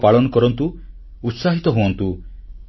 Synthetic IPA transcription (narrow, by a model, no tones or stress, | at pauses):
paɭɔnɔkɔɾɔnt̪uː | t̪saɦit̪ɔɦuɔnt̪u